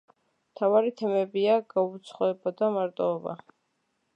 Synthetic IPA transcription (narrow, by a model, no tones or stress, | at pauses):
mt̪ʰavaɾit̪ʰɛmɛbiaɡaut̪sʰχɔɛbad̪amaɾt̪ʼɔːba̰